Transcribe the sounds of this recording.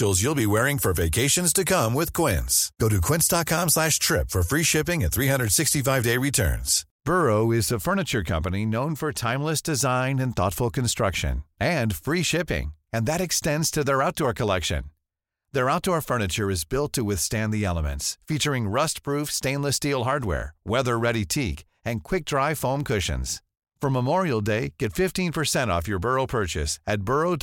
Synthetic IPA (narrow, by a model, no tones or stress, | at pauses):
olˠzjulˠbiwɛɹɪ̃ŋfə˞veɪkʰeɪʃɨ̃nz̥tʰɨkʰʌ̃mwɪð̥kʰw̥ɪ̰̃nsɡ̥oʊɾɨkʰw̥ɪ̃nsd̥ɑt̚kʰɑ̃mslæʃtʰɹ̥ɪpfə˞fɹiʃɪpɪ̃ŋɨ̃nθɹiɦʌ̃ndɹəd̥sɪkstifaɪvdeɪɹitʰɜ̰̃˞nz̥ | b̥ɜ˞oʊɪzðɨfɜ˞nɨt͡ʃə˞kʰʌ̰̃mpɨninõʊ̃nfə˞tʰãɪ̃mləsd̥ɨzãɪ̃nɨ̃nθɔ̰tfl̩ˠkɨ̃n̩stɹ̥ʌ̰kʃɨ̰̃nɨ̃nfɹiʃɪpɪ̰̃ŋɨ̃nðɨɾɨkstɛ̃ndz̥tʰɨðə˞aʊt̚d̥ɔɹkʰəlɛkʃɨ̰̃n | ðə˞aʊt̚d̥ɔɹfɜ˞nɨt͡ʃə˞ɨzbɪlˠtʰɨwɪθstæ̃nðiɛlˠəmɨ̰̃ntsfit͡ʃə˞ɪ̃ŋɹʌstpʰɹ̥ufstẽɪ̃nləstilˠɦɑɹd̚wɛ̰ɹwɛðə˞ɹɛɾitʰik | ɨ̃nkʰw̥ɪk̚d̥ɹaɪfõʊ̃mkʰʊʃɨ̰̃nz̥ | fʌ̃məmɔɹil̩ˠdeɪɡ̥ɛtfɪftĩnpʰə˞sɛ̃ɾ̃ɔ̰fjə˞bɜ˞oʊpʰɜ˞t͡ʃɨ̰sɨt̚b̥ɜ˞oʊ